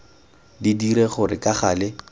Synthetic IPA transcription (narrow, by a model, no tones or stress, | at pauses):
didiɾeχʊrɪkaχaːlɪ